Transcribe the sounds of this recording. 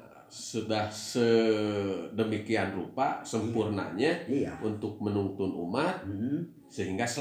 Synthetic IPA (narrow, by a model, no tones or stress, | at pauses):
sudahsə | dəmikianrupasəmpurna̰ɲaunt̪ʊk̚mənunt̪ʊnṵmat̪̚ | səɦiŋɡasə